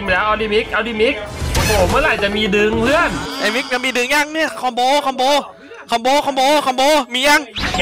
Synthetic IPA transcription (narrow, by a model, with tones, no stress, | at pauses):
mː˨˩lɛː˦˥wʔa˧wdiː˧mi˦˥k̚ʔa˧wdiː˧˩mi˦˥k̚hoː˨˩˦mɯ˧˥˩la˧˩jt͡ɕa˨˩ʔmiː˧dɯ˧ŋpʰɯ˥˩˨ənʔa˧mi˦˥k̚ɲa˧˩miː˧dɯ˧ŋja˧˨ŋni˥˩ɐkʰɔ˧˩mboː˧kʰɔ˧˦mboː˧ | kʰɔ˧˩mboː˧kʰɔ˧˦mboː˧kʰɔ˧˩mboː˧miː˧ja˧ŋ